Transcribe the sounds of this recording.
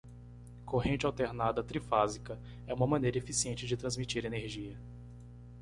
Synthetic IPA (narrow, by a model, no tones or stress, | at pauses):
koɦẽnt͡ʃɪawt̪eɾnad̪ɐt̪ɾifazikɐ | ɛũmɐmɐ̃nejɾɐefisiẽnt͡ʃɪd͡ʒɪt̪ɾɐ̃zmit͡ʃiɾeneɾʒiɐ